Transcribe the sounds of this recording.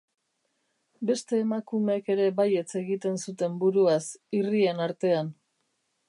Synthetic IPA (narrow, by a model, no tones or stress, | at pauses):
be̞st̪e̞ːmakumeːke̞ɾe̞baje̞t͡se̞ɣit̪e̞nsut̪e̞mbuɾuasirie̞naɾt̪e̞an